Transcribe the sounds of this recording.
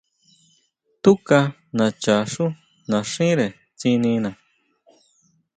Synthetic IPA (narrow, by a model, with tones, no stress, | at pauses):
t̪u˦ka˧ | nã˨t͡ʃa˨ʂu˦ | nã˨ʂĩ˦ɾe˨ | t͡sĩ˧nĩ˧nã˨